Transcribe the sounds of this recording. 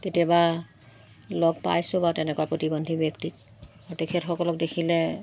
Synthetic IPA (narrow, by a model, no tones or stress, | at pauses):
tetijaba | lɔɡpa̰jsʊ̃batɛnɛkwaɹpɹotibondʱibektik̚ | aɹtekʰɛtxɔkɔlɔk̚dekʰilɛ